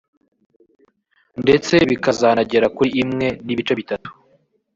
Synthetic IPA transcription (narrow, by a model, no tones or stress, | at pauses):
nde̞t͡se̞βikazanaɟe̞ɾakuɾiʔimŋe̞niβit͡ʃeβitatu̥